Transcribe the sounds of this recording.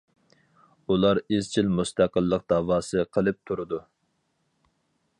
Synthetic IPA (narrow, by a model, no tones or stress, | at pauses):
ulˠɑɾizt͡ʃʰilmust̪ʰæqəlˠːəq̚d̪̥ɑːwɑːsɨqʰəlˠɨp̚t̪ʰuɾɨd̪u